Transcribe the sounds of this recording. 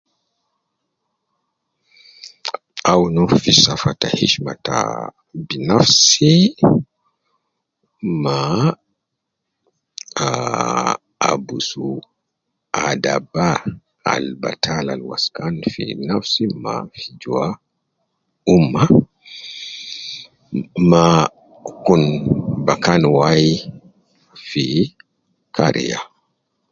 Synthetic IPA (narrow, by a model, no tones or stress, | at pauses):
awnufisafatahiʃmata̰ | binafsi | ma | a | abusu | adaba | a̰lba̰tʰalalwa̰skanfḭnafsima̰fid͡ʒua | umːa | ma | kunbakanwaji | fi | kʰaɾḭja